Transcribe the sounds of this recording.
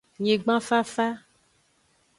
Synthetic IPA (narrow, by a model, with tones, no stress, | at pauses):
ɲẽ˨ɡ͡bã˦fa˦fa˦